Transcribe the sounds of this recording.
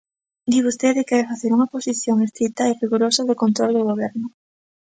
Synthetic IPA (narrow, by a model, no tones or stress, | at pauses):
d̪iβust̪eðekɛfaθeɾuŋɐposiθjoŋest̪ɾit̪ɐeriɣuɾosɐðʊkont̪ɾold̪ʊɣoβ̞ɛɾnʊ